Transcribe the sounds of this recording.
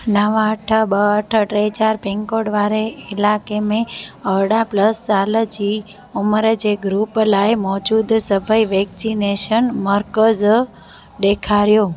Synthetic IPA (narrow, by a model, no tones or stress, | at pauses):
nəʋaəʈʰəbəəʈʰəʈɾed͡ʒaɾpɛ̃ŋkoɽʋaɾeːlakemẽəɽapləst͡ʃaləd͡ʒi | uməɾad͡ʒeɡɾuplaemɔd͡ʒud̪səbʱaiʋɛksineʃənməɾkəd͡ʒ | d̪ekʰaɾjo